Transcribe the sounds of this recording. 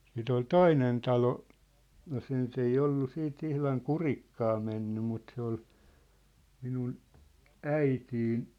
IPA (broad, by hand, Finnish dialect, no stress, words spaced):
siˑt ol toinen tɑlo jɑ se nyt ei olːu siːt ihlɑŋ kurikːɑː menːy mut se ol minun æitiːn